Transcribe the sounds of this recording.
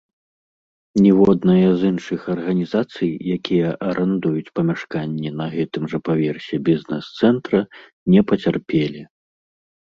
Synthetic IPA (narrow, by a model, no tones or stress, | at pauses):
nʲɛvɔd̪nɐjɐzɨnʂɨxɐrɣɐnʲizat̪sɨjjakʲijɐʔɐɾʔɛnd̪ujut͡sʲpɐmʲaʂkanʲːɛnɐɣɛt̪ɨmʐɐpavʲɛrsʲɛbʲiznɛ̰st̪sɛnt̪ɾɐ | nʲɛpɐt͡sʲarpʲelʲi